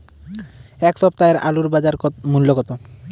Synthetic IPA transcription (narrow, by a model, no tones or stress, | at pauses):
ɛkʃɔp̚t̪aeɾa̰luɾbad͡ʑaɾmulːokɔt̪o